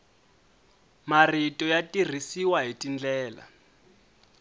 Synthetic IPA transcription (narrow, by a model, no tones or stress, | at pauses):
maritʼɔjatʼir̤isiwaɦitʼind͡ɮɛːla̰